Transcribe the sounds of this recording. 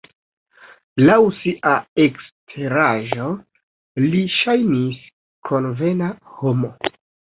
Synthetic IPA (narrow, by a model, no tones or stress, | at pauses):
lawsiʔae̞kstʰe̞ɾaʒo̞ | liʃajnis | kʰo̞nve̞naho̞mo̞